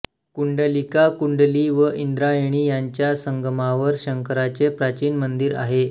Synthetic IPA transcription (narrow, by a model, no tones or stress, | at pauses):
kuɳɖəlikakuɳɖliʋəʔind̪ɾajeɽ̃iːjaɲt͡ɕjasəŋɡəmaʋəɾɕəŋkəɾat͡sepɾat͡ɕiːnmənd̪iːɾa̰ɦe